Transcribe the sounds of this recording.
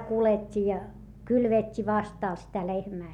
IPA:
kuletʲːi jɑ kylʋetʲːi ʋɑstɑˑl sitæ lehmæː

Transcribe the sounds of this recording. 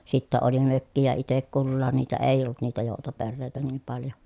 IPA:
sitːæ oli møkːijæ itek kulːɑːn niːtæ eˑi̯j olːut niːtæ joˑutoperːeˑi̯tæ niːm pɑljo

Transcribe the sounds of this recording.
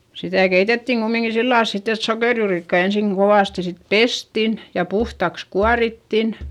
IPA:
sitæˑ keitetːiŋ ɡ̊umːiŋki silːɑˑls sitː et sokeˑrjuːrikːɑi ensiˑŋ ɡ̊oʋɑˑsti sit pestin jɑ puhtɑks kuɑritːin

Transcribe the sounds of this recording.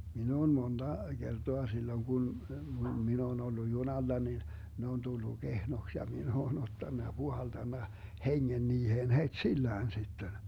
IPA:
min oːn mond̥ɑ ɡ̊ertoɑ silːoŋ ɡ̊un min oːn olːu junɑlːɑ nin ne on tulːu ɡ̊ehnoks jɑ min oːn otːɑnːɑ jɑ b̥uhɑltɑnːɑ heŋːen niːheːn hetsilːæːn sitːen

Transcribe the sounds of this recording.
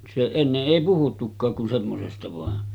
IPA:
se enːeʔ ʔeˑi puhutːukːɑːk kun semːosestɑ ʋɑˑen

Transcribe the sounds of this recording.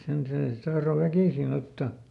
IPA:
sen seː sĭt tɑhro ʋækiˑsin otːɑ

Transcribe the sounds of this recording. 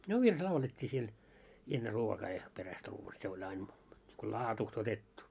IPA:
no ʋirs lɑuletʲːiː siel enːe ruokɑː jɑ peræst ruːʋɑ se olʲ ɑin ko lɑːtuːst otetːu

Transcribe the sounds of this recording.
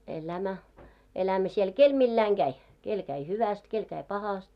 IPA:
elæmæ elæmæ siel kel milːæiŋ ɡ̊æi kel kæi hyʋæst kel kæi pɑhɑst

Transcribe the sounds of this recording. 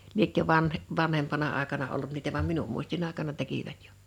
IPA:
liekːø ʋɑnh ʋɑnhempɑnɑ ɑˑekɑnɑ olːut niːtæ ʋɑm minum muistin ɑˑekɑnɑ tekiʋæt j̊o̥

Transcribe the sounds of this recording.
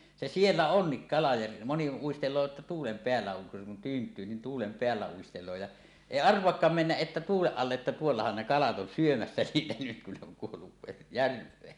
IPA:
se sielːæ onːik kɑlɑ jɑ moni uistelˑoː ĕtːæ tuːlem peælːæ oŋ kun tyːntˑyː ni tuːlem peælːæ uistelˑoː jɑ eˑi ɑrʋˑoɑkːɑːm menːæʔ ʔetːæ tuːleʔ ʔɑlːeʔ ʔetːæ tuolːɑhɑn ne kɑlɑt on syømæsːæ niːtæ nyt kun ne oŋ kuolːu ʋe jærʋˑeː

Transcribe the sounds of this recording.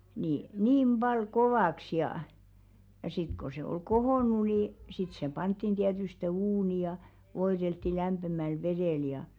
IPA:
ni niːm b̥ɑl koʋɑˑks jɑˑ jɑ sit ko se oi kohoˑnˑu ni sit se pɑntːin tiætyste uːni jɑ ʋoiɾeltːi læmpemæl ʋeɾeˑl jɑ

